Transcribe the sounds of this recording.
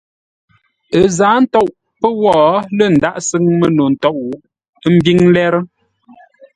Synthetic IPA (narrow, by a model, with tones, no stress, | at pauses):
ə˨zaː˨˦n̩˦tɔ˦ʔ | pə˦wɔː˦˨lə˦˨n̩˨da˦˨ʔsə˦ŋmə˦no˨n̩˨tɔ˦ʔwu˨ʔ | m̩˦bi˦ŋ˦lɛ˦ɾ